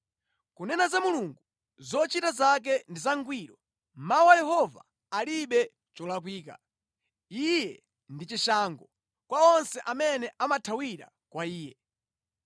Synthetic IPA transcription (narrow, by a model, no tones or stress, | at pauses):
kunɛnazamuluŋɡu | zɔt͡ʃitazak̬ɛndizaŋɡwiːɾɔ | mawajɛɦɔva̰ | aliɓɛ | t͡ʃɔlak̬wiːka̰ | ijɛ | ndit͡ʃiʃaːŋɡɔ | kwaɔnsɛʔamɛnɛʔamatʰawiɾa̰ | kwaiːjɛ